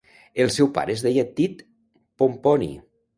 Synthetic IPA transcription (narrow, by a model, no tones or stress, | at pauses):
elˠsɛwpa̰ɾezðejat̪ːit̪ | pomponḭ